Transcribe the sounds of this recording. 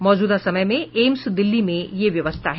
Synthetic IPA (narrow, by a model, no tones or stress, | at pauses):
mɔːd͡ʒuːd̪asɐməjmẽeːmsd̪ɪlːimẽjeʋjɐʋəst̪ʰaɦɛ